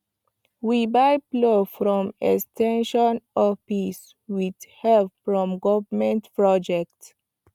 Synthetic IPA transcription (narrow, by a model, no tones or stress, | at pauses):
wibaɪplofɾɔ̃mɛ̰kstɛ̃nʃɔ̃nɔpis | widhɛlpfɹɔ̃mɡɔvəmɛ̃ntpɹɔd͡ʒɛk̚t